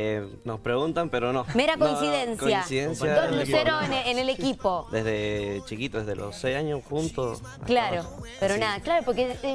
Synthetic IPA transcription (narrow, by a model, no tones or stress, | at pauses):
e | nospɾeɣunt̪ampeɾonomeɾakoinnsiðensojasiðensjaolueɾoeneenele̞kipo̞d̪ezðet͡ʃikit̪oðezðelʔo̰sejsaɲosxunt̪os | a̰klaɾopeɾonaðaklaɾopoɾke